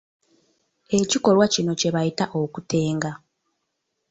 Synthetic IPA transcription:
e̞ciko̞lwacino̞ce̞βajitaʔokutʰe̞ːŋɡa

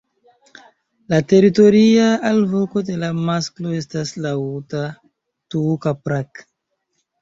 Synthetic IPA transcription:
late̞ɾito̞ɾiaalvo̞ko̞de̞lamasklo̞e̞staslauta | tukapɾak

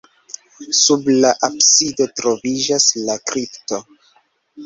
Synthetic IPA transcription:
sublaʔapsido̞tɾo̞vid͡ʒaslakɾipto̞

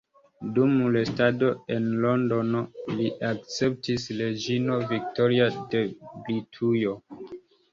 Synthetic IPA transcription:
dumulestado̞e̞nlondo̞noliʔakt͡se̞p̚tisle̞d͡ʒinovik̚to̞ɾiadeblitʰujo̞

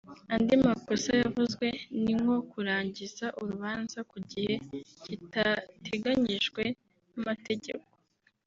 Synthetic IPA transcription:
andimakosajavuzɡwe̞niŋɡo̞kuɾaːɲɟizaʔuɾuβaːnzakuɟihe̞citatʰe̞ɡaɲiʒɡwe̞ | namate̞ɟe̞̰ko

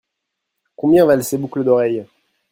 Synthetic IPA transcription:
kɔ̃bjɛ̃valsebukləd̪ɔʁɛj

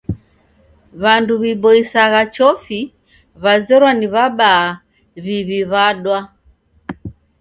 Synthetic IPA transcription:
βanduβibɔisaɣat͡ʃɔfi | βazɛɾwaniβaɓaː | βiβiβaɗwa

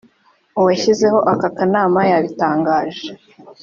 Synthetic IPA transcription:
uwaçize̞ho̞ʔakakanaːmajaβitaːŋɡaːʒe

